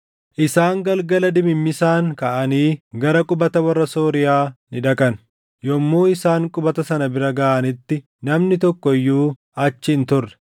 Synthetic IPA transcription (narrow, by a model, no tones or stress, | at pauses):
ʔɪsaːŋɡɐlɡɐlɐd̪ɪmɪmːɪsaːŋkɐʔɐniːɡɐɾɐkʼʊbɐt̪ɐwɐrːɐsoːɾɪjaːnɪᶑɐkɐn | jɔmːoːɪsaːŋkʼʊbɐt̪ɐsɐnɐbɪɾɐɡɐʔɐnɪt̪ːɪ | nɐmnɪt̪ɔkːɔɪjːuː | ɐt͡ʃːɪːnt̪ʊrːɛ̥